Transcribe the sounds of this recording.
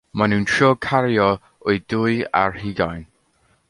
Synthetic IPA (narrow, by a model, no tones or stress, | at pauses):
manuntʰɹɔːkʰaɾjɔ | ʊjd̥ʊja̰ɹhiːɡajn